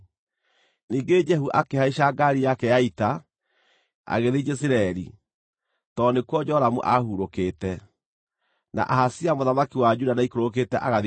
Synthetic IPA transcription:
niːŋɡed͡ʒɛɦuʔakehaiʃaɡaɾijakɛjaita | a̰ɣeðed͡ʒɛs̬iɾaɛɾḭ | tɔnekwɔd͡ʒɔɾamuʔahuɾokeːtɛ | na̰ʔahasiamoðamakiwad͡ʒudanaikoɾok̬etɛʔaɣað

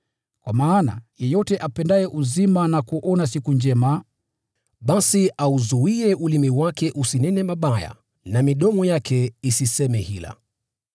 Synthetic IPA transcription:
kwamaːna̰jɛjɔtɛʔapɛndajɛʔuzimanakuʔɔnasikund͡ʒɛma | ɓasiauzuiɛulimiwakɛʔusinɛnɛmaɓaja̰ | namiɗɔmɔjakɛisisɛmɛhila̰

